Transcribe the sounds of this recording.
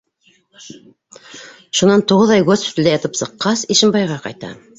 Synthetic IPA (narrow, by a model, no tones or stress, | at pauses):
ʃunɑnt̪uʁɤðɑjɡospʲi̥t̪ɘld̪æjɑt̪ɤpsɤ̆qːɑsiʃɘ̆mbɑjʁɑqɑ̰jt̪ɑ̰